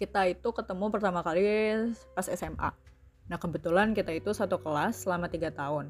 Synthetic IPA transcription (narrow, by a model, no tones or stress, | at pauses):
kit̪ait̪ukət̪əmupərt̪amakalipasɛsɛma̰ | nahkəbət̪ulankit̪ait̪usat̪ukəlaslamat̪iɡat̪aʊn